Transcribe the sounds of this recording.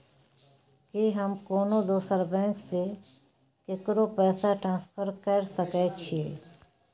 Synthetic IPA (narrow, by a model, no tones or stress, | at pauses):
kiɦəmkoːnod̪oːsəɾbɛ̃ːŋkse | kekɾopɛːsaʈɾãːspʰəɾkəɾsəkɛt͡ʃʰeː